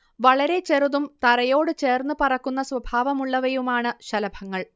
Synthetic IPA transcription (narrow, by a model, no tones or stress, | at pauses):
ʋɐɭɐɾe̞t͡ɕe̞ruðumt̪ɐɾɐjo̞ːɽɨt͡ɕe̞ːrnːɨpɐrɐkːun̪ːɐswɐbʱaːʋɐmuɭːɐʋɐjumaːɳɨɕɐlɐbʱɐŋːɐɭ